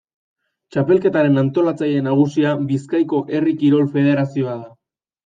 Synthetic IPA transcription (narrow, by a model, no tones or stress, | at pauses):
t͡ʃape̞lke̞t̪aɾe̞nant̪o̞lat͡saje̞naɣ̞usiabiskajko̞ʔe̞rikiɾo̞lfe̞ð̞e̞ɾasio̞aða